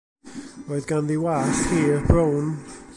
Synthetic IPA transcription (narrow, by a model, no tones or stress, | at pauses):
roɨðɡanðiwaθhiːrbrown